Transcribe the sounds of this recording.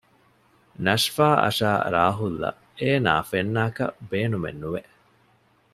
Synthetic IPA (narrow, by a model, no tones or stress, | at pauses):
nɐʂfaːʔɐ̰ʂaːɾa̰ːɦulːɐ̰ | eːna̰ːfenːaːkɐ̰beːnumḛnːuʋe